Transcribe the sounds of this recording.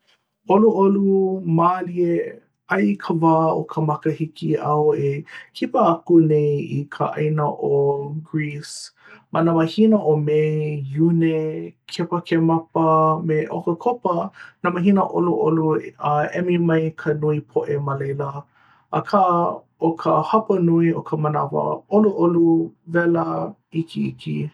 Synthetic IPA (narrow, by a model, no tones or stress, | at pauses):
oluʔolumaːlie | ɐjkʰəvaːokʰəmɐkəhikiʔaowekʰipəakunejikʰə̰ʔɐ̰jnəʔoɡɹis | mɐnaməhinəʔomejunekʰepɐkʰemɐpəmeʔokəkʰopɐnamɐɦinəʔoluʔoluəɛmimɐjkʰənuipʰoʔemɐlejlə | ʔɐkʰa | okʰəhɐpɐnuiokʰəmənɐvɐ̰oluʔoluvɛlə | ikʰiḭki